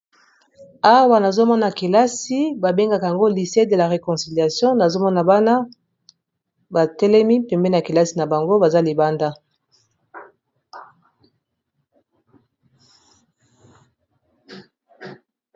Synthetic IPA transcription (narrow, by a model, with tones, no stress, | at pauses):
a˦wa˨na˨zo˦mɔ˦na˨ki˨la˦si˦ba˨be˦ŋɡa˦ka˨a˨ŋɡo˦li˨se˦də˨la˨ʁe˨kɔ̃˨si˨lja˨sjɔ̃˦na˨zo˦mɔ˦na˨ba˦na˦ | ba˨tɛ˦lɛ˦mi˦pɛ˨mbɛ˦na˨ki˨la˦si˨na˨ba˨ŋɡo˦ba˨za˦li˨ba˦nda˦